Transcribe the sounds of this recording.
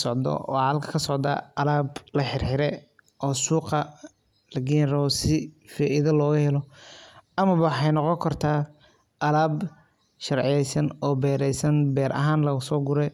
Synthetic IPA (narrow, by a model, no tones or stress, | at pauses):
sɔʕd̪ɔ̰ʔɔːʕɑlkʰɐ̥kʰɐsɔʕd̪a̰ːɐlaːblɐħɪrħɪɾɛ | ʔɔːsuːqɐ | lɐɡiɾɔsɪfaːʔɪðɐlɔːɣʊhɛlɔ | ɐmɐβɐwħɑjnɔqɔŋkʰɐrt̪ʰaː | ʔɐlaːb | ʃɐrʕɪjɛjsɐnɔːbɛːɾɛjsɐnbɛːɾʔɐ̰ɦaːnlɐɣsɔːɡʊɾɛ